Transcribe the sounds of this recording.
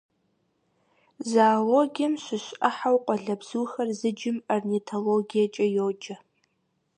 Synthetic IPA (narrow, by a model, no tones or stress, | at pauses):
zaːloɡʲiɐmʃʷɪʃaħawqʷʼɔɮɐbz̥uːxɐrzɨd͡ʒɪmarnitʰoloɡijat͡ʃʼɐjod͡ʒɐ